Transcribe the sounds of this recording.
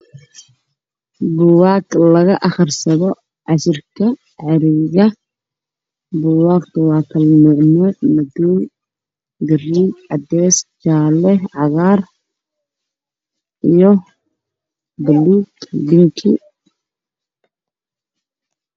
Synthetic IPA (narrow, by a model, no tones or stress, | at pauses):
bʊwaːklɐɣɐʔɐχrsɐðɔ | ʕɑʃɪrkʰɐ | ʕɑɾɪɣɐ | bʊwaːkt̪ʰɐwɑːkʰɐlnɔʕmɔmɐd̪uːl | ɡɐriːbʕɑd̪ɛːst͡ʃaːlɛʕɑɣaːr | ijɔ | bɐluːtbɪŋkʰḭ